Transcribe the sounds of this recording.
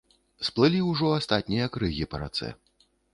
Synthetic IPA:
splˠɨlʲiuwʐɔast̪at̪ʲnʲijɐkɾɨɣʲipɐɾa̰t̪sɛ̰

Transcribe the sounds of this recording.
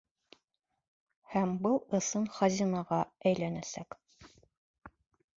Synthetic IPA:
hæmbɤlˠɤ̆sɤnχɑzʲinɑʁɑæjlænæsæk

